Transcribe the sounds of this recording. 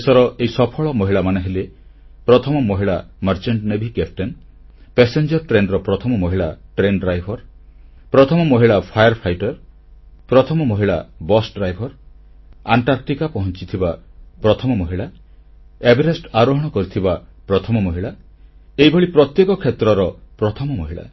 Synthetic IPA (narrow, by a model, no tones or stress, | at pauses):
esɔɾɔʔeisɔpʰɔɭɔmɔɦiɭamaneɦele | pɾɔt̪ʰɔmɔmɔɦiɭa | məɾt͡ʃeɳʈnebʱikepʰʈen | pesend͡ʒɔɾʈɾenɾɔpɾɔt̪ʰɔmɔmɔɦiɭaʈɾenɖɾajbʱɔɾ | pɾɔt̪ʰɔmɔmɔɦiɭapʰajəɾpʰajʈɔɾ | pɾɔt̪ʰɔmɔmɔɦiɭabɔsɖɾajbʱɔɾ | aɳʈaɾk̚ʈikapɔɦɔnt͡ʃit̪ʰibapɾɔt̪ʰɔmɔmɔɦiɭa | ebiɾesʈaɾɔɦɔɽ̃ɔkɔɾit̪ʰibapɾɔt̪ʰɔmɔmɔɦiɭa | ejbʱɔɭipɾɔt̪jekɔkʰet̪ɾɔɾɔpɾɔt̪ʰɔmɔmɔɦiɭa̰